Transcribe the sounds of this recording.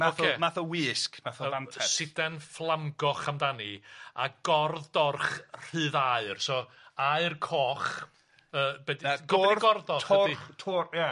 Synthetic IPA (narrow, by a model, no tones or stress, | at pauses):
maokʰeːmaθɔwɪːskmaθɔantʰɛsɪdɛnflˠamɡɔχamdania̰ɡ̥ɔrðdɔrχr̥ɨːðaɨrsɔ | aɨrkʰɔːχ | əːbɛdiaɡɔiɡɔrðɔtʰɔitʰʊrja